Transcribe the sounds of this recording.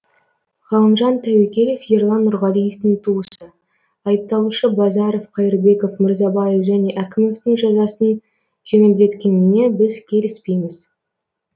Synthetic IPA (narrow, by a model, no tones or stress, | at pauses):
ʁɑlˠəmʒɑnt̪ʰæwekʲe̞lʲefjeɾlˠɑnːʊɾʁɑlijeft̪ɪŋt̪ʰuwəsə | ɑjəp̚t̪ɑlˠuʃəbɑzɑɾo̞fqʰɑjɪɾbe̞ko̞fmɪɾzɑbɑjefʒæne̞ʔækʲɪmeft̪ɪŋʒɑzɑsən | ʒ̥eŋɪld̪e̞t̪kʲe̞nɪne̞bɪzkʲʰe̞lɪspe̞jmɪz̥